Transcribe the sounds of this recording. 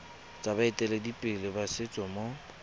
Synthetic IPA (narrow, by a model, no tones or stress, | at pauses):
t͡sʼabaɪtʼɛledipʼɪlɪbasɪt͡sʼɔmo